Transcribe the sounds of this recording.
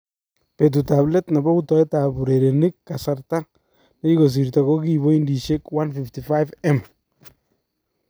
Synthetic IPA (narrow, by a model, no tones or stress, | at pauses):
pet̬utablɛtnabɔutɔɛtabuɾeɾenikːasaɾta | neikos̬iɾtaɡoɡiboindiʃekwanfiftifajvɛm